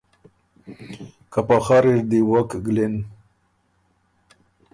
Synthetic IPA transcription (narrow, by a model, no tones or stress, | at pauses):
kapaxaɾiɾd̪iwakɡlin